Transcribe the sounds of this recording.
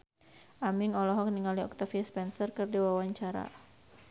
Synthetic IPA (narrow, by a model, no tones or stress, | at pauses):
ʔamiŋɔlɔɦɔkniŋaliɔk̚t̪afiaspɛnsərkɨrdiwawaɲt͡ʃaɾa̰